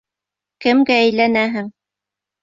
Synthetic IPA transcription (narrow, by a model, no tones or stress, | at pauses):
kɘ̆mɡæːjlænæɦɘŋ